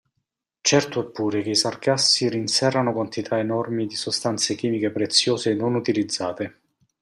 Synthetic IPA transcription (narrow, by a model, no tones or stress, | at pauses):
t͡ʃɛrt̪oepːuːɾekeisarkasːiɾinsɛrːanokwant̪it̪ʰaenɔrmid̪isost̪ant̪sek̟iːmikepɾet̪sːjoːzenːonut̪ilid̪zːaːt̪e